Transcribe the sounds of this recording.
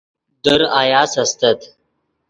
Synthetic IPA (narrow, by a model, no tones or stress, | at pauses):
d̪əɾajaːsɐst̪ɐt̪